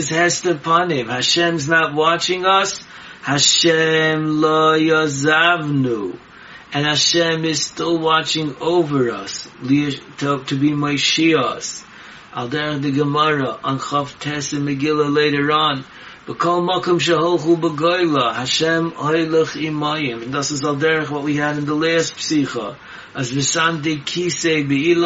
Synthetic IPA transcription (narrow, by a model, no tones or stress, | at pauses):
ɪzhɛstəpʰʌnɪ̃mhaʃɛ̃mznət̚wɑt͡ʃɪ̃ŋʌs | haʃɛmlojɔzavnu | ɨ̃nhaʃɛ̃mɪz̥stɪlˠwɑt͡ʃɪ̃ŋoʊvə˞ʌ̰slitʰətʰɨbimɔɪʃiəs | a̰lˠdɛɹəχðɨɡəmɔɹəʔə̃nχɔftʰɛsɨmɨɡɪlˠəlˠeɪɾə˞ɑ̃n | b̥əkʰɔlˠmɔkɔ̃mʃ̬əɦɔlˠχubəɡɔɪlˠəhaʃɛ̃mhɔɪlˠəχimɔɪɪ̃mə̃nðɪsɪzalˠdɛɹəχwɔt̚wihɨɾɨ̃nðəlˠɛstpsiχə | əzvɨsandeɪkʰiseɪbɨi